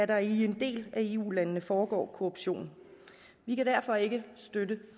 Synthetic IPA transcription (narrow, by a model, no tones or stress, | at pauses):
æɐɾɑ̈ie̝nd̥e̝̰ːlæe̝ːṵːlænənəfɒːɡ̥ɒ̰ːkʰo̝ʁob̥ɕo̝̰ːnn̩ | ʋikæd̥æɐfɒ̽e̝ɡ̥əsd̥ødə